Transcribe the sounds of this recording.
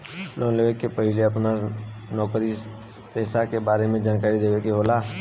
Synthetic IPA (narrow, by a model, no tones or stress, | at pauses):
lõnleʋekːepɐɦɪleɐpnanɔːkɾi | pɛːsakebaːɾemẽd͡ʒaːnkaːɾid̪eːʋekeɦoːlaː